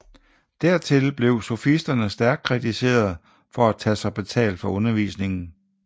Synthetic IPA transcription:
d̥æɐ̰t͡sʰe̝lb̥le̝ʊsɒfisd̥ɐnəsd̥æɐɡ̥̚kʰʁidise̝̰ːɐðˠ | fɒ̽æt͡sʰæsɑ̈ɪb̥e̝t͡sʰɛ̰ːld̥fɒ̽ɔ̽nɐʋḭːsne̝ŋn̩

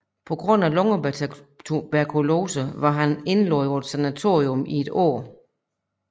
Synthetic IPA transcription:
pʰɒ̽ɡ̥ʁɔ̽n̰ælɔ̽ŋə | b̥æɐkʰulo̝ːsəʋɑ̈ɦæne̝nloðˠɒd̥sænæt͡sʰo̝̰ːiɔmie̝d̥ɔ̰ɐ̰

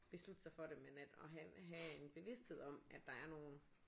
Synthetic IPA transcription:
b̥e̝slud̥əsɑ̈ɪfɒ̽ɾemenæd̥ɒ̽ɦɦæe̝nb̥e̝ʋe̝sd̥he̝ð̞̰ˠɒ̽mʔæd̥ːɑ̈æɐno̝ːn̩

